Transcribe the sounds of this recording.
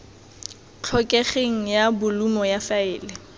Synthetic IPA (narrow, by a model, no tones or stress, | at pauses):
t͡ɬʰɔkʼɛχeŋ̩jabʊlumɔjafaɪːlɛ